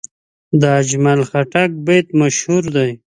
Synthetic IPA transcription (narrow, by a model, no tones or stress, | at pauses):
d̪əːd͡ʒmalxaʈak̚bet̪maʃhuɾd̪aj